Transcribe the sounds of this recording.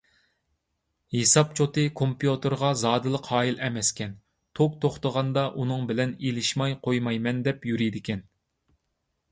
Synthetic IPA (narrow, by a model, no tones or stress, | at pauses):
hesɑp̚t͡ʃʰot̪ɨkʰompjut̪ʰɨɾʁɑzɑːd̪ɨlˠəqhɑːjilʔɛmɛskʲʰɛn | t̪ʰok̚t̪ʰoχt̪əʁɑnd̪ɑʔunɨŋbɪlɛnelɪʃmɑjqʰojmɑjmɛnd̪ɛpjyɾid̪ɪkʲɛn